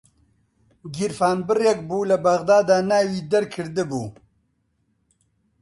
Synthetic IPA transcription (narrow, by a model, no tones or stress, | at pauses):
ɡiɾfaːnbɨrjɛk̚buːlɐbɐɣd̪aːd̪aːnaːwiːd̪ɐɾkʰɨɾd̪ɨbuː